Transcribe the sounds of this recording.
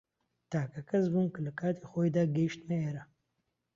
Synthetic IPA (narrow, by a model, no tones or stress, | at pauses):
t̪aːkakɐzbumkəlɐkaːt̪ʰexoːjd̪aɡeʃt̪meeɾɐ